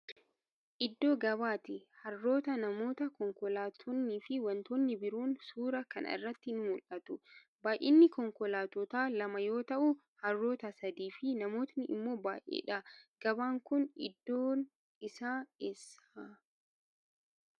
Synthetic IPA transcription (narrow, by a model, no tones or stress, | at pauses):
ʔɪd̪ːo̞ːɡɐβaːt̪ɪhɐrːo̞ːt̪ɐnɐmo̞ːt̪ɐkɔŋkɔlaːt̪ʰɔnːiːfɪwɐnt̪oːnːɪbɪɾuːnsuːɾɐkɐ̰nɪ̰rːɐt̪ːɪnmʊlʔɐt̪ʊ | baːjʔɪ̰nːɪkɔŋkɔlaːt̪ɔt̪aːlɐmɐjo̞ːt̪ɐʔʊ | hɐrːo̞ːt̪ɐsɐd̪iːfɪnɐmo̞ːt̪nɪʔɪmːo̞ːbaːjʔḛːᶑɐɡ̥ɐbaːŋkʊnɪ̰d̪ːoːn | ɪsaːesa